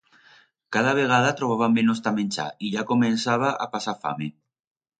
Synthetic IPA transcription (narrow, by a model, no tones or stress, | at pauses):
kaðaβ̞eɣ̞aðat̪ɾoβ̞aβambenost̪amenʲt͡ʃa̰iʎakomensaβaʔa̰pasafa̰me